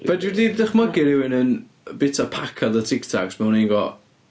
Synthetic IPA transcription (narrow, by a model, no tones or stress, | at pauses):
vɛdɪdiðɪχmaɡɪɾɪwɪnən | bɪtʰapʰakʰaðətʰɪktʰɔ̰ksmɛʊninɡɔ